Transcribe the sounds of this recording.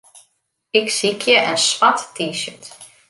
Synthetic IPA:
ɪksikʰjəʔənsʋatːiʃət

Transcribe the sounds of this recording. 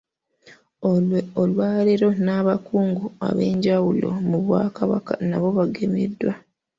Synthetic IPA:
olweolwaːleɾo̞naβakuːŋɡua̰βe̞ːɲɟawulo̞̰muβwaːkaβa̰ka̰naβo̞βaɡe̞mḛdːwa

